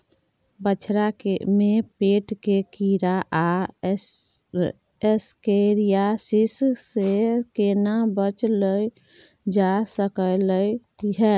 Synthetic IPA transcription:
bət͡ʃʰɾakemepeʈkekiɾaʔa | skeɾijasissekenabət͡ʃləj | d͡ʒasəkələj | iɦɛ

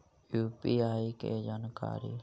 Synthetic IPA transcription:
juːpiːaːikḛd͡ʒaːnka̰ːɾiː

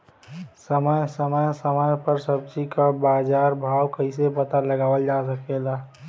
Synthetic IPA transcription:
səməjsəməjsəməjpəɾsəbt͡ʃikabaːd͡ʒaɾbʱawkəɪsepət̪aləɡaːʋəld͡ʒas̬əkela

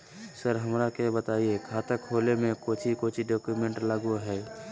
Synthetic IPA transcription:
səɾɦəmɾakebət̪aːiekʰaːt̪əkhoːlemẽkoːt͡ʃʰikoːt͡ʃʰiɖɔːkjumẽɳʈlaɡoɦɛː

